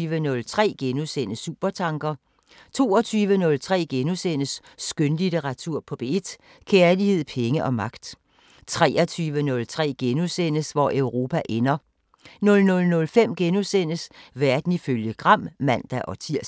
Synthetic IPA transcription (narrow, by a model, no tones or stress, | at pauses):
ʋənɔ̽lt͡sʰʁɛ̰ːɡ̥enusen̰əsṵb̥ɐt͡sʰɑ̈ŋɡ̥ɐ | t͡sʰo̝̰ːɒ̽t͡sʰyːʋənɔ̽lt͡sʰʁɛ̰ːɡ̥enusen̰əsː | ɡ̥ønlideʁɑ̈t͡sʰuɐ̰pʰɒ̽b̥e̝ed̥ | kʰeɐlihe̝ð̞̰ˠpʰeŋəʔɒ̽mɑ̈ɡ̥d̥ | t͡sʰʁɛːɐt͡sʰyːʋənɔ̽lt͡sʰʁɛ̰ːɡ̥enusen̰əsʋɒʔøʊʁo̝̰ːpʰæʔenɐ | nɔ̽lnɔ̽lnɔ̽lfem̰ɡ̥enusen̰əsʋæɐd̥n̩iføljəɡ̥ʁɑ̈m̰mæn̰d̥æʔɒ̽t͡sʰiɐ̰